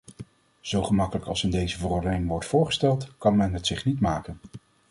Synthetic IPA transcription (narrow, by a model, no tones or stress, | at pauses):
z̥owχəmɑkələkɑlˠsɪndejzəvərɔɹdənɪŋʋɔɹtfʊːɹχə̥stɛlˠtkɑnmɛnɦətsɪχnitmaːkən